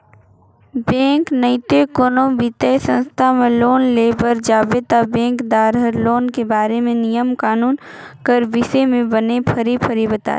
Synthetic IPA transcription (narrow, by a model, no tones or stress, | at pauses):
bẽːŋknəɪt̪ekoːnõbʱit̪esə̃nst̪ʰamẽloːnleːbəɾd͡ʒaːbet̪abẽːŋkd̪aːɾɦəɾloːnkebaːɾemẽnijəmkaːnuːn | kəɾʋɪsemẽbɐnepʰɐɾipʰɐɾibət̪a̰ːe